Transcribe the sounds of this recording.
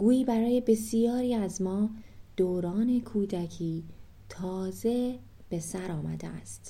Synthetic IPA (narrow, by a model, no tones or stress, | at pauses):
ɡ̥uːiːbæɾɒːje̞be̞sijɒːɾiːæzmɒːd̪̥oːɾɒːne̞kʰuːd̪æcʰiː | t̪ʰɒːze̞ | b̥e̞sæɾɒːmæ̰d̪eæ̰st̪